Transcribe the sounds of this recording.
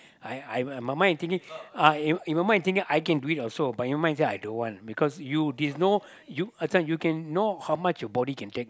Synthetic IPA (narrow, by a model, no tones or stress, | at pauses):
ajajmamãj̃nt̪ĩŋkĩŋaĩĩnmaɪmãɪ̃nt̪ĩŋkĩŋʔajkɛ̃nduitɔlsobat̚mamãɪ̃nseajdõnwɔ̃ntbikɔsjudɛsno | juasãnjukɛ̃nːohawmat͡ʃjɔbɔdikɛ̃ntek̚